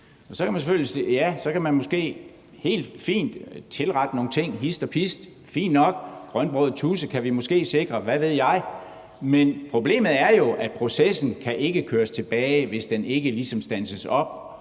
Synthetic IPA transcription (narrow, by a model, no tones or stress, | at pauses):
ɒ̽sɒ̽kʰæmænseføl̰jisḛjæsɒ̽kʰæmænmɔ̽sɡ̥e̝̰ː | he̝̰ːld̥fḭːnd̥t͡sʰe̝lʁɑ̈d̥əno̝ːn̩t͡sʰe̝ŋ̰ɦisd̥ɒ̽pʰisd̥ | fḭːnːnɒ̽ɡ̥ɡ̥ʁɶnb̥ʁɔːð̩ˠt͡sʰuːsəkʰæʋimɔ̽sɡ̥e̝̰ːse̝ɡ̥ʁɐʋæʋe̝ð̞̰ˠjɑ̈ɪ | menpʰʁo̝b̥le̝̰ːmð̩ˠæɐjo̝ʔæ̥pʰʁo̝sesn̩kʰæʔe̝ɡ̥əkʰøːɐst͡sʰe̝b̥ɛːɪʋe̝sd̥ene̝ɡ̥əlisɒ̽msd̥ænsəsɒ̽b̥̚